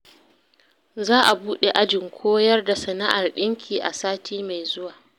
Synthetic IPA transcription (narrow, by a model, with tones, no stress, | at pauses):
zaː˦ʔa˨buː˦ɗe˨ʔa˦d͡ʒɪ˨ŋkʷʰoː˦jɐ˦rda˨sɐ˨na˦ʔa˨rɗɪ˦ŋkʲʰiː˨ʔa̰˨saː˦tʰiː˦ma˨jzʊ˦waː˨